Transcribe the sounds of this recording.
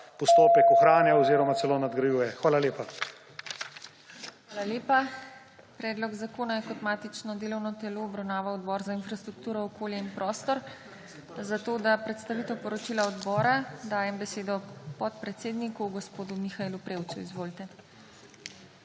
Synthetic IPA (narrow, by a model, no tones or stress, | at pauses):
pɔst̪oːpjɛkɔxɾaːnjaɔziːɾɔmatsɛlonad̪ɡɾajuːjɛxʋaːlaleːpa | xʋaːlaleːpa | pɾɛːd̪lɔɡzakoːnajɛkɔt̪maːt̪it͡ʃnɔd̪eːlɔwnɔt̪ɛloːbɾawnaːʋawɔd̪bɔːɾzainfɾast̪ɾuk̚t̪uːɾɔɔkoːljɛinpɾɔːst̪ɔɾ | zat̪oːd̪apɾɛt̪st̪aʋiːt̪ɛwpɔɾɔt͡ʃiːlaɔd̪bɔːɾad̪aːjɛmbɛseːd̪ɔpɔt̪̚pɾɛt̪seːd̪nikuɡɔspoːd̪umixaeːlupɾeːwt̪suizʋoːlt̪ɛ